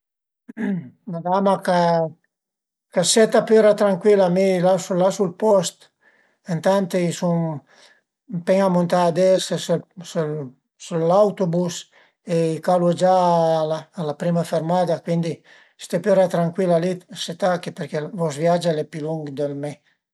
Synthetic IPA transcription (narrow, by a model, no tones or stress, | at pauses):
mad̪amaka | kaset̪apøɾat̪ɾaŋkwilamilasulasulpɔst̪ | ent̪ant̪eisuŋ | peŋamunt̪aːd̪eseselsel | selawt̪obus | eikalud͡ʒalaːlapɾimafeɾmad̪akwind̪i | se̥t̪epyɾat̪ɾaŋkwilaliset̪akepeɾkevɔzvjad͡ʒalepiluŋɡd̪elme